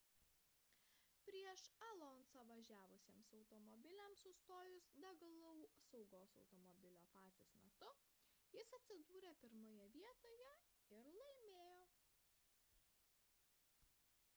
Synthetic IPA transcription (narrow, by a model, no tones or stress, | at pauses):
pʲɾʲiɛʃɐlˠɔnsoːʋɐʒʲæːʋʊsʲeːmsɒʊt̪ɔmɔbʲɪlʲɛmsʊst̪oːjʊsd̪ʲɛɡlˠɔʊsɒʊɡoːsɒʊt̪ɔmɔbʲɪlʲoːfɑːzʲeːsmʲɛt̪ʊ | jɪsɐt̪ʲsʲɪd̪uːɾʲeːpʲɪɾmoːjɛʋʲiɛt̪oːjɛɪɾlˠɐɪmʲeːjoː